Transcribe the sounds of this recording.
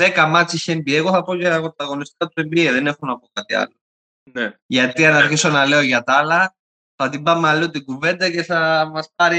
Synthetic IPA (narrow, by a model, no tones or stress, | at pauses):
ðekɐmɐt͡siçembieɣoθɐpocɐpot̪ːɐɣonist̪ik̪ɐt̪uembieðenexonɐpokɐt̪iɐ̰lːo | neʝɐt̪iɐnɐɾçiso̞nɐleoʝɐt̪ɐlɐ | θɐt̪imbɐmːeɐlːiot̪iɡuvend̪ɐceθɐmɐspɐɾi